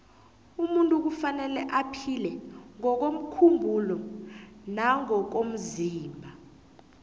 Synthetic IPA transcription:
umuntʼuk̬ufanɛlɛʔapʰilɛŋɔk̬om̩kʰumbʱulɔ | naŋɔk̬om̩ziːmbʱa

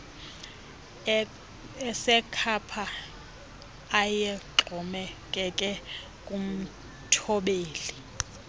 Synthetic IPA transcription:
ɛsɛkʰapʰa | jɛǃʱɔmɛkʼɛkʼɛ | kʼum̩ | tʰɔɓeːli

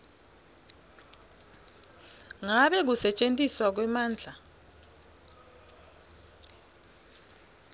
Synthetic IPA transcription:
ŋaɓɛk̬usɛt͡ʃʼentʼiswak̬wɛmaːnd͡ɮʱa

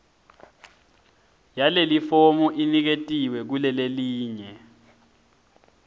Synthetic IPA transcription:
jalelifomuʔinik̬etʼiwɛk̬ulɛleliːɲɛ

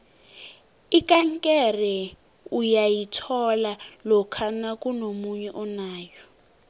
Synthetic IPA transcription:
ikʼaŋkʼɛrɛ | ujajitʰɔlalɔkʰanakʼunomuɲɛʔɔnaːjɔ

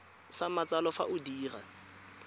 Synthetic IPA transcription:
samat͡salɔfa̰ʔʊdiːra̰

